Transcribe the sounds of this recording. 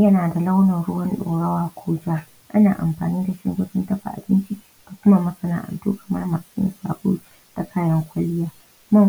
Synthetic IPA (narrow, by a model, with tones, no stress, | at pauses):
jɐ˦naː˨da˨la˦wnɐ˨rɽʊ˦wɐ˦nɗoː˨ɽɐ˦waː˨kʷʰoː˦d͡ʒaː˦ | ʔa̰˦naː˨ʔa̰˨mɸa̰ː˨niː˦da˨ʃɪ̰˦ɡʷɐ˦sɪ˦ntɐ˦ɸa̰˨ʔa̰˨bɪ˦nt͡ʃi˦ | d̥a˨kʷʊ˦ma˨mɐ˦sɐ˦na̰ː˨ʔa̰˨ntṵː˦kɐ̥˨mɐ̰˦rma˨sɪ˦sa̰ː˨boː˦ | ta˨kʰaː˦jɐ˦ŋkʷɐ˦lɪ˦jaː˦ | mɐ˦m